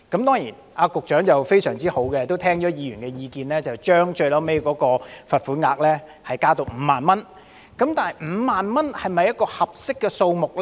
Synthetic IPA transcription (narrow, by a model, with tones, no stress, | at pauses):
kɐ˨˥mt̪ɔː˥ŋjiː˨˩n | aː˧kʊ˨k̚t͡ʃœː˨˥ŋt͡sɐ˨wfe˥jsœː˨˩ŋt͡siː˥ho˨˥wkɛ˧t̪o˥wt̪ʰɛː˥ŋt͡ʃɔː˨˥jiː˨˧jyː˨˩nkɛ˧jiː˧kiː˧nlɛː˥t͡sɐ˨wt͡ʃœː˥ŋt͡ʃɵ˧ɥlɐ˨˥wme˥jkɔː˨˥kɔː˧fɐ˨t̚fuː˨˥ŋaː˧k̚lɛː˥ | hɐ˨jkaː˥t̪o˧wm̩ː˨˧˦maː˨nmɐ˥n | kɐ˨˥mt̪aː˨n˨jm̩ː˨˧˥maː˨nmɐ˥nhɐ˨˩jmɐ˨jɐ˥t̚kɔː˧hɐ˨p̚sɪ˥kːɛ˧so˧wmʊ˨k̚l